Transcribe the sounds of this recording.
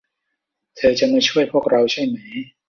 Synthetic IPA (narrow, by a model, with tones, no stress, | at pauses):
t̪ʰɤː˧t͡ɕa˧ʔma˥˩jt͡ɕʰu˥˩əjpʰu˥˩ək̚ɾa˧wt͡ɕʰa˥˩jma˩˦j